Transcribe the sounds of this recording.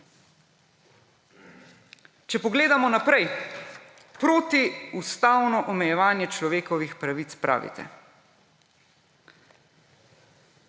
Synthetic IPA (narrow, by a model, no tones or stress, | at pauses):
t͡ʃɛpɔɡleːd̪amɔnapɾɛj | pɾoːt̪iust̪aːwnɔʔɔmɛjɛʋaːnjɛt͡ʃlɔʋeːkɔʋixpɾaʋit̪spɾʔa̰ːʋḭt̪ʰɛ̰